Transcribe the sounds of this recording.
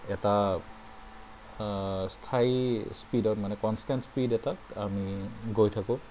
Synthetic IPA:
ɛta | stʰaispidɔtmanɛkɔnstɛntspidɛtaamiɡojtʰakʊ̃

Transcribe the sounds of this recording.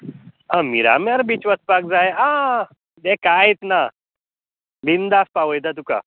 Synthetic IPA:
ãmiɾa̰maɾbit͡ʃʋəspak̚d͡zajea | d̪ekait̪na | bind̪aspaʋəjd̪at̪uka̰

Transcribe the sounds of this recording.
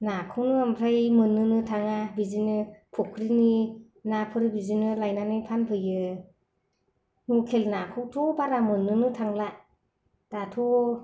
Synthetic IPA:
nakʰunɯampʰɾajmɯnːɯnɯtʰaŋabizinɯpʰukʰːɾini | napʰɯɾibizinɯlajnanɯjpʰanpʰɯjɯ | nukʰelnakʰuwtʰubaɾamɯnːɯnɯtʰaŋla | d̥atʰu

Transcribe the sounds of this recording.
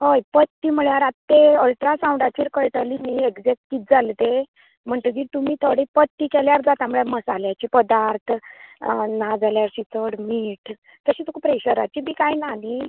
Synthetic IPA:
hojpət̪ːimuɭjaɾat̪ːeəɭʈ̪ɾasãw̃ɳɖat͡ɕiːɾkəɭʈəlimieɡd͡zek̚ʈkit̪̚d͡zalt̪e | m̤əɳt̪əd͡ʑiːt̪umiːt̪ʰoɽipət̪ːikɛljaɾd͡zat̪amuɭɛməsaljat͡ɕiːpəd̪aɾt̪ʰ | nad͡zaljaɾsit͡səɽmiːʈ | t̪əɕiːt̪okʰupɾeɕəɾa̰t͡ɕibiːkajnali

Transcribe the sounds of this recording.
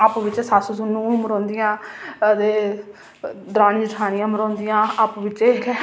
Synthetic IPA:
aːpʋɪt͡ʃsaːsusʊnũːməɾɔ̃ːnd̪ijãːd̪eː | d̪əɾaːnd͡ʒəʈʰaːnɪjãːməɾɔ̃ːnd̪ijãːaːpʋɪt͡ʃe

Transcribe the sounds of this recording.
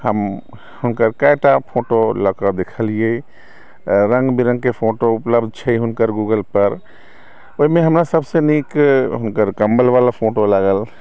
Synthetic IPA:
həm | hʊnkəɾkaeʈapʰoʈoləkəd̪ekʰəlie | ɾə̃ŋɡbiɾə̃ŋɡkepʰoʈoupləbd̪ʱt͡ʃʰəiɦʊnkəɾɡuɡəlpəɾ | oɦimẽɦəmɾasəbsenikɦʊnkəɾkəmbəlʋalapʰoʈolaɡəl

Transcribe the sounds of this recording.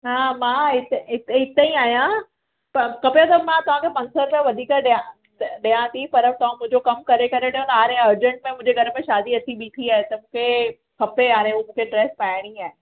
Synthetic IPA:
ɦaːmãːɪt̪eɪt̪ɪt̪eĩaːɦijã | pɐkɐpejõt̪ɐmãt̪ɐʋ̤ãːkʰepɐ̃nsəɾmẽʋɐd̪ʱiːkəɗã | ɗijãt̪ʰipɐɾ̚t̪ɐʋ̤ãmʊ̃ɦɪ̃d͡ʑokɐmkɐɾekɐɾeʈɐjõnaːɾẽɐɾd͡ʑə̃ɳʈ̚mẽmʊ̃ɦɲd͡ʑeɡʱɐɾə̆mẽʃaːd̪iɐt̪ʰiɓiːt̪ʰiaːɦet̪ɐmũːkʰe | kɐpeaːɾẽumũːkʰeɖɾeːspaːɪɽ̃iaːɦe

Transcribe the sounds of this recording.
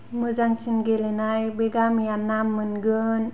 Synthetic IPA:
məd͡ʒaŋsinɡelenajbeɡamijanːamːənɡən

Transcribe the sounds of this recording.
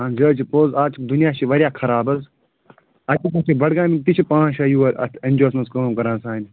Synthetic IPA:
ãːnd͡ʒɐːt͡ʃʰipoːzaːt͡ʃd̪unijaːʃiʋɐɾjaːkʰɐɾaːbɐz | ɐt̪ikɐt̪ʰibɐɽɡaːmit̪it͡ʃʰipãːãːʃɐjuːɐɾɐ̰t̪ʰɐnʲd͡ʒoːsmɐnskɐmkɐɾãːnsãːnʲ

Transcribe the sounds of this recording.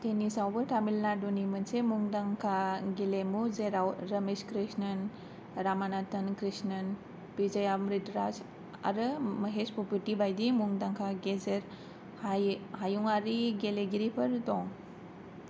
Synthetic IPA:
tenisawbɯtʰamilnadunimɐnsemuŋdaŋkʰaɡelemuzeɾawɾɐmeskɾisnɐn | ɾamanatɐnkɾisnɐn | pizajamɾitɾas | a̰ɾɯməɦespɔpitibajdimuŋdaŋkʰaɡezeɾ | hajuŋaɾiɡeleɡiɾipʰɐɾtɔŋ

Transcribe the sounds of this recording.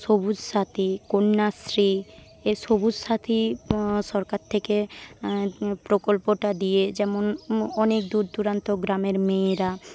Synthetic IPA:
sobud͡ʒʃat̪ʰikonːasɾi | esobud͡ʒʃat̪ʰiʃɔɾkaɾt̪ʰeke | pɾokolpoʈad̪ijed͡ʑɛmonɔnek̚d̪uɾt̪uɾant̪oɡɾameɾmeɾa

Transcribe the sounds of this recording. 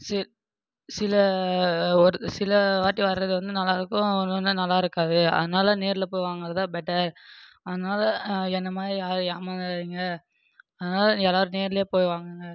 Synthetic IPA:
sɪ | sɪlɐ | ɔɾsɪlɐʋaːʈːiʋɐɾɾɐðɯʋɐnd̪ɯnɐlːaːɪɾɯkːʊ̃ɔnɐnːɯnɐlːaːɪɾɯkːaːðɯɐ̰ðɐnaːlɐneːɾɪlɐpoːjʋaːŋɡɪɾɐɐðãːbɛʈːɐɾ | ɐðɐnaːlɐɛnd̪ɐmaːðɾijaːɾɯjaːmanðiŋɡɐ | ɐðɐnaːlɐɛlːaːɾɯneːɾɪljeːpoːjʋaːŋɡɯŋɡɐ

